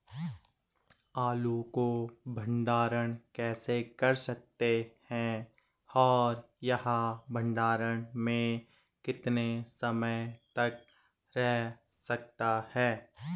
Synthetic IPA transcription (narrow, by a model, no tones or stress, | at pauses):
aːlukobʱə̃ɳɖaːɾəɽ̃kɛːsekɐɾsək̚t̪ehɛ̃ | ɔːɾ | jɐɦãbʱə̃ɳɖaːɾəɳ̃mẽ | kɪt̪nesɐməjt̪ɐk̚ | ɾɛɦ | sɐk̚t̪ahɛː